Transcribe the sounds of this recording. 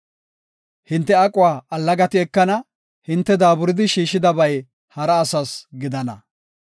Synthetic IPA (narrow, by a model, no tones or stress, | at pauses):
hɪnt̪ːɛɐkʼʊwaːɐlːɐɡɐt̪ɪɛkːɐnɐ | hɪnt̪ːɛd̪aːbʊɾɪd̪ɪʃiːʃɪd̪ɐbɐj | hɐɾɐːsɐsɡɪd̪ɐnɐ̰